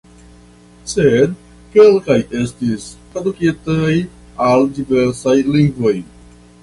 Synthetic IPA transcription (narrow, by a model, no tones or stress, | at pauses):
sed̪̚ | kelkaje̞stistɾadukitaj | aldiveɾsajliŋɡvo̞j